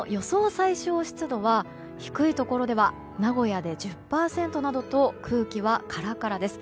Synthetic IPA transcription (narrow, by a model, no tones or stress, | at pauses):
jo̞so̞ːsaiɕo̞ːɕi̥t͡sɨd̪o̞βa | çi̥kɯ̟it̪o̞ko̞ɾo̞d̪e̞β̞a | naɡo̞jad̪e̞ʑɨppːaːsẽ̞nt̪o̞nad̪o̞t̪o̞kʰɯ̟ːkʲiβakʰaɾakaɾad̪e̞sɨ̥